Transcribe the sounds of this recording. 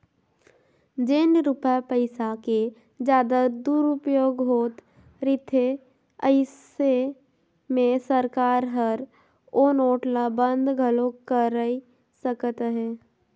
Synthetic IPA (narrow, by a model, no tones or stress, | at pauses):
d͡ʒenɾʊpapəɪsake | d͡ʒjaːd̪ad̪uːɾʊpjoːɡɦoːt̪ | ɾɪt̪ʰe | əɪs | e | mẽsəɾkaːɾɦəɾ | oːnoːʈlabə̃nd̪ɡʱəlõkəɾəi | səkət̪ɦɛː